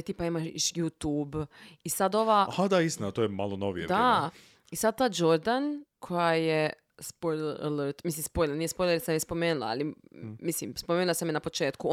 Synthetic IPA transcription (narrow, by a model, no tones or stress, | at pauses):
t̪iːpaimaʃjut̪uːbisad̪o̞ʋahad̪aist̪inat̪ojemalˠonoʋijḛd̪a | isad̪̚t̪aːd͡ʒo̞ɾd̪ankʰo̞jaje | spojla̰ləɾt̪mislimspo̞jleɾnijespojlˠeɾsamjespo̞meːnulˠa̰a̰limislimspomeːnulasamjenapo̞t͡ʃe̞ːt̪ku